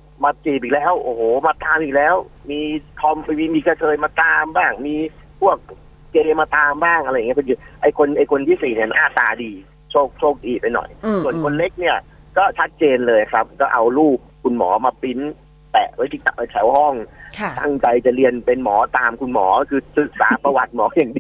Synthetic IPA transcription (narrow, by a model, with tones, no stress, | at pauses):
maː˧kiː˨˩p̚iː˨˩k̚lɛː˦˥wʔoː˧˩hoː˩maː˧t̪aː˧mʔiː˨˩k̚lɛː˦˥wmiː˧t̪ʰɔ˧m˦iː˧miː˧kʰa˧kʰɤː˧jmaː˧t̪aː˧mbaː˥˩ŋmiː˧pʰu˥˩ək̚ː | eː˧maː˧t̪aː˧mbaː˥˩ŋʔɾa˧jŋi˦˥˩o˧ni˧˩ʔa˧jkʰo˧nʔa˧jkʰo˧nt̪ʰiː˥˩iː˨˩ni˥˩ma˧nʔaː˥˩t̪aː˧diː˧ | t͡ɕʰoː˥˩k̚t͡ɕʰoː˥˩k̚diː˧pa˧jnɔ̰˨˩jsu˨˩ənkʰo˧nle˦˥k̚ni˥˩ɐ | kɔː˥˩t͡ɕʰa˦˥t̪̚t͡ɕeː˧nlɤː˧jna˧kʰɾa˦˥p̚kɔː˥˩ʔa˧wɾuː˥˩p̚kʰu˧nmɔ̰ː˩˦maː˧pi˦˥n | t̪ɛ̰˨˩ʔwa˦t̪ʰiː˧˩t̪a˧˩ʔːt̪ʰɛ˩˦whɔ˥˩ŋt̪ʰa̰˥˩ŋt͡ɕa˧jt͡ɕa˨˩ɾi˧ənpe˧nmɔː˩˦t̪aː˧mkʰu˧nmɔ̰ː˩˦˥kʰɯː˧sɯ˨˩k̚sa̰ː˩˦pa˧wa˨˩t̪̚mɔː˩˦jaː˨˩ŋdiː˧